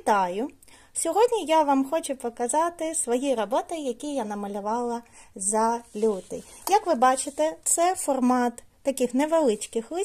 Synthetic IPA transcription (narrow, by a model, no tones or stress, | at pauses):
t̪ɑjʊ | sʲɔɦɔdʲnʲijaʋɑmxɔt͡ʃʊpɔkɐzɑt̪ɪsʋɔjiɾɔbɔt̪ɪjɐkʲijanɐmɐlʲʊʋɑlˠɐzɐlʲud̪ɪ̰ | jɐkʋɪbɑt͡ʃɪt̪ɛt̪sɛfɔrmɑt̪ːɐkʲɪxneʋelˠɪt͡ʃkɪxlˠɪ